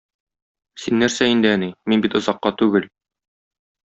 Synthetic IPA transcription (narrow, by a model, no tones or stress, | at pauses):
sinːæɾsæind̪ɘæniminbit̪ŏzɑqːɑt̪ʉɡɘl